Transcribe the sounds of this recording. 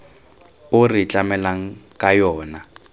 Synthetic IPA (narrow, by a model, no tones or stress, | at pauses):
ʊrɪt͡ɬʼamɛlaŋ̩kʼajɔːna